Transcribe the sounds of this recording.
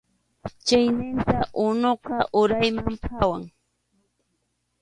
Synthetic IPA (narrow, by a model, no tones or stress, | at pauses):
t͡ʃajnɪnt̪aʔʊnoqɑʔʊɾajmampʰawaŋ